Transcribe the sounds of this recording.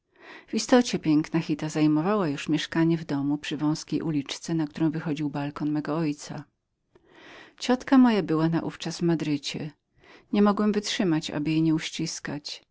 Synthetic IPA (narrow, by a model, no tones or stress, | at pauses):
vist̪ɔt͡ɕɛpʲjɛŋknaxʲit̪azajmɔvawajuʂmʲjɛʂkaɲɛvd̪ɔmupʂɘvɔ̃w̃skʲejʔulʲit͡ʂt̪sɛnak̚t̪uɾɔ̃w̃vɘxɔd͡ʑiwbalkɔnmɛɡɔɔjt̪sa̰ | t͡ɕɔt̪kamɔjabɘwana̰ʔṵft͡ʂazvmad̪ɾɘt͡ɕɛ | ɲɛmɔɡwɛmvɘtʂɘmat͡ɕa̰bɘjɛɲɛuɕt͡ɕiskat͡ɕ